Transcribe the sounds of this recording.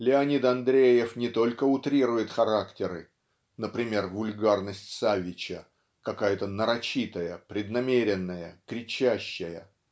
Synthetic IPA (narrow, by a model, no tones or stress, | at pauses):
lʲɪɐnʲit̪ɐnd̪ɾʲejɪfnʲɪt̪o̞lʲkəʊt̪ɾʲiɾʊjɪt̪xɐɾaktʲɪɾɨ | nəpɾʲɪmʲe̞rvʊlʲɡarnəsʲtʲsavʲɪt͡ɕə | kɐkajət̪ənəɾɐt͡ɕit̪əjəpɾʲɪd̪nɐmʲeɾʲɪnːəjəkɾʲɪt͡ɕæɕːəjə